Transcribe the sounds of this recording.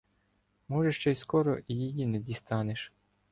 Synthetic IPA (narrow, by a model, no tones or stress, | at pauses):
mɔʒeʃt͡ʃɛjskɔɾɔijijinɛd̪ʲist̪ɑneʃ